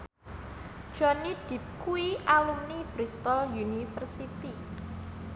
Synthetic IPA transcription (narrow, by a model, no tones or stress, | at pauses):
d̥ʒ̥ɔnid̪̥i̤pkuiʔalumnib̥ɾist̪ɔljunifərsit̪i